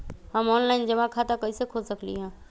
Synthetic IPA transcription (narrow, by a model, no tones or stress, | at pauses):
hɐmɔːnlaːɪnd͡ʑɐʋãkʰat̪akɐisekʰoːsɐklḭɦãː